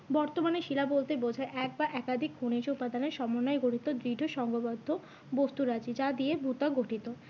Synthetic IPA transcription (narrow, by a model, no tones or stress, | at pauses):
bɔɾt̪omaneʃilabolt̪ebod͡ʑʱaeʔɛk̚baʔɛkad̪ʱikkʰuneʃupad̪aneɾʃɔmonːaeɡoʈit̪od̪ɾiɖʱoʃɔŋɡobod̪ʱːo | bost̪uɾad͡ʑid͡ʑad̪iebʱut̪aɡoʈʰit̪o